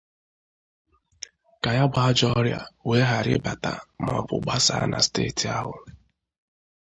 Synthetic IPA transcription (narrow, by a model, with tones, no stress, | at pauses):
ka˨ja˦ɡ͡ba˦d͡ʒɔ˦ɾja̰˨we˦ɦa˨ɾɪ̰˦ba˨ta˨m˨ɔ˨pʊ˨ɡ͡ba˦sa̰˨˦na̰˨steː˦˨ti˨a˦ɦʊ˨